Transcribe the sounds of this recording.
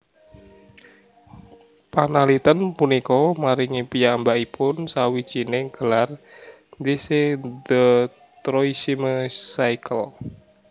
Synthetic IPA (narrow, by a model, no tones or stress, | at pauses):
panalit̪ənpunikɔmaɾiŋipijambaʔipʊnsawit͡ʃineɡ̥əlar | nd̪ised̪ə | t̪ɾoisiməsaikʰəl